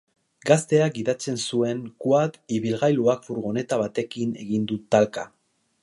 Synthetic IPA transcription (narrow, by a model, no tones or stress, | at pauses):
ɡast̪e̞ak̚ɡiðat͡se̞nsue̞ŋkwaðiβilɣajluakfuɾɣo̞ne̞t̪aβat̪e̞kine̞̰ɣind̪ut̪alka